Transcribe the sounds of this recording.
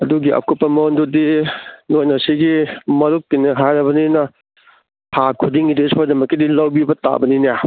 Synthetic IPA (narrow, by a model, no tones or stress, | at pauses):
ɐduɡiʔɐ̰kupːɐmɐndudinojnɐsiɡimɐɾukːinɐɦajɾɐbɐninɐ | hakʰudiŋɡidespoɾdɐmɐkːidilɐwbibɐta̰ʔbɐninija